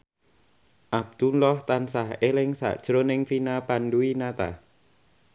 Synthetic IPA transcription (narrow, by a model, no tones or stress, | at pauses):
ʔab̚d̪̥ulɔht̪ansaɦelɪŋsa̰ʔd̥ʒ̥ɾonɪŋfinapanduinat̪a̰